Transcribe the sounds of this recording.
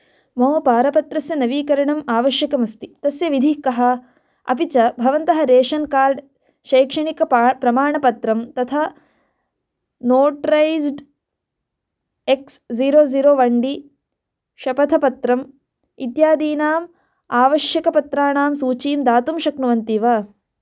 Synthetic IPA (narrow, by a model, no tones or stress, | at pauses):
moːpaːɾɐpɐt̪ɾɐsjɐnɐʋiːkɐɾɐɳɐmaːʋɐʃjɐkɐmɐst̪it̪ɐsjɐʋid̪ʱikɐɦɐ̆ | ɐ̰pit͡ʃɐbʱɐʋɐnt̪ɐɦɐɾeːʂɐnkaːɾɖ | ʃɐːkʂɐɳikɐpɾɐmaːɳɐpɐt̪ɾɐmt̪ɐt̪ʰa | noːʈɾɐjzɖ | eksziːɾoːziːɾoːʋɐɳɖi | ʃɐpɐt̪ʰɐpɐt̪ɾɐm | it̪jaːd̪iːnaːm | aːʋɐʃjɐkɐpɐt̪ɾaːɳaːmsuːt͡ʃiːmd̪aːt̪umʃɐknuʋɐnt̪iːʋaː